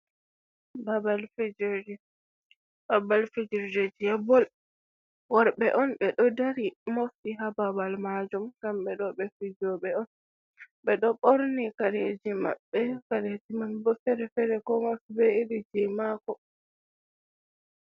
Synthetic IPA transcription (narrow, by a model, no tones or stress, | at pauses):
babalfid͡ʒd͡ʒi | babalfid͡ʒiɾd͡ʒed͡ʒijabɔl | waɾɓɛʔɔnɓɛɗɔdaɾimoftiɦababalmad͡ʒumkamɓɛɗɔɓɛfid͡ʒɔɓɛɔn | ɓɛɗɔɓoɾnikaɾed͡ʒima̰ɓːɛkaɾetimanbɔfɛɾɛfɛɾɛkɔŋafbɛiɾid͡ʒimakɔ